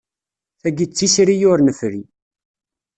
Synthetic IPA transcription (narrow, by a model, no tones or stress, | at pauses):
θæɡit͡sːisɾijʊɾnəfɾi